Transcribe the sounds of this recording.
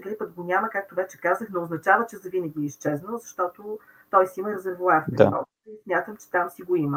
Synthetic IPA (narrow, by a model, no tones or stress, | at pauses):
ɡ̪lipəɡɡonʲaməkak̚t̪ovɛt͡ʃɛ̥kazəxnooznɐt͡ʃavət͡ʃɛzɐvinɛɡiist͡ʃɛznəlˠzɐʃt̪ɔt̪o | t̪ɔjsiiməɾɛzɛɾvovafpd̪a̰ɔ̰ | ismʲjat̪əmt͡ʃɛ̥t̪amsiɡoimə